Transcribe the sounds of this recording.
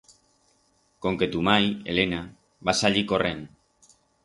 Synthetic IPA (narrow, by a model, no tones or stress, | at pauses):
ko̞ŋke̞t̪umaje̞̰le̞na | βasaʎiko̞rʔe̞n